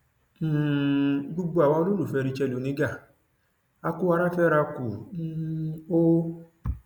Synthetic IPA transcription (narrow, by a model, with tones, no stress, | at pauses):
ɡ͡bu˧ɡ͡bo˧a˨wa˧˦o˧lo˦ɾu˦˨fɛ˧ɾi˧t͡ʃɛ˧lo˨nĩ˨˦ɡa˦˨ | a˧ku˦a˧ɾa˦fɛ˦ɾa˧ku˨n̩˦o˦